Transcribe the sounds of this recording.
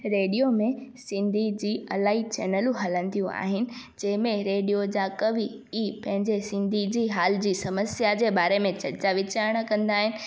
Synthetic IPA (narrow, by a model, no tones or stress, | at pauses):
ɾeːɖijomẽsɪ̃nd̪ʱid͡ʑiːɐlaːit͡ɕɛ̰ːnəlũɦɐlə̃nd̪ijũa̰ːɦɪnɪ̆ | d͡ʑɐ̃ɦɪ̃mẽɾeːɖijod͡ʑakɐʋi | iːpɐ̃ɦɪ̃ɲd͡ʑesɪ̃nd̪ʱid͡ʑiːɦaːlɪd͡ʑiːsɐməsjad͡ʑeːbaːɾemẽt͡ɕɐɾt͡ɕaʋɪt͡ɕaːɾəɽ̃kɐ̃nd̪aːɦɪnɪ̆